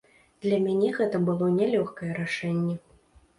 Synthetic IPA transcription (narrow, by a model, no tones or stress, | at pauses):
d̪̥lʲɐmʲanʲɛɣɛt̪ɐbɨlˠɔnʲɛlʲɔxkɐjɛɾaʂɛnʲːɛ